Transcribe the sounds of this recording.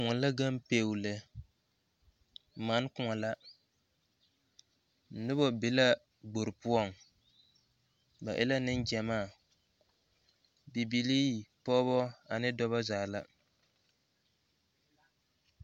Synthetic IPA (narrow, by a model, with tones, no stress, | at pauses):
kʊ˨ŋɔ˨la˦ɡa˦mpeː˨wlɛ˨ | ma˨˦n˦kʊ˨ŋɔ˨la˦˨ | nɨ˦bɔ˦bɪ˨˦la˦ | ɡ͡bo˨ɾɨ˨pu˦ɔ˦˨ŋ | ba˨ʔɪ̰˦la˦nɨ˦nd͡ʒɛ˨maː˦˨ | bi˨bi˨liː˦pɔ˦bɔ˦a˨nɨ˦dɔ˦βa˦zaː˨la˦